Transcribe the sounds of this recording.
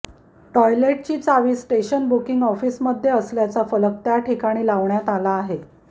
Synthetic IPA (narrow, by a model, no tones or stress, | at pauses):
ʈɔjleʈ̚t͡ɕiːt͡saʋiːsːʈeɕənbukiŋɡɔfiːsməd̪ʱːjeəsljat͡safələk̚t̪jaʈʰikaɽ̃iːlaʋɳjat̪alaːɦe